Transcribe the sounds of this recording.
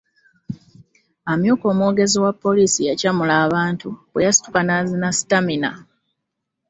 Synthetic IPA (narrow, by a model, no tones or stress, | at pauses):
amjuːko̞ːmwoːɡe̞ziwapːo̞lisijacamulaːβaːntuwejasi̥tu̥kanaːzinasi̥tamina̰